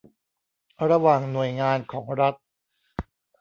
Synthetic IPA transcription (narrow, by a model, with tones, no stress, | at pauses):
ɾa˧waː˨˩ŋnu˨˩əjŋaː˧nkʰɔː˩˦ŋɾa˦˥t̪̚